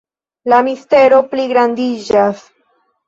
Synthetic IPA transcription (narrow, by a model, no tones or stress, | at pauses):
lamist̪e̞ɾo̞pliɡɾand̪id͡ʒas